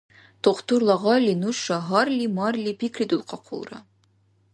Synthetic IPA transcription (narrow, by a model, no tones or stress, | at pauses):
t̪oqt̪uɾlˠɑʁɑlʲinuʃːɑɦɑrlʲimɑrlʲipikɾʲid̪ulˠqɑqʰo̰lˠɾɑ̰